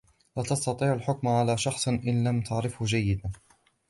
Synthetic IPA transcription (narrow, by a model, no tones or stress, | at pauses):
laːt̪ɑst̪ɑt̪ˤiːʕalħʊkmʕalaːʃɑxsˤʔɪnlamt̪ʰaʕɾɪfhʊd͡ʒajːɪd̪an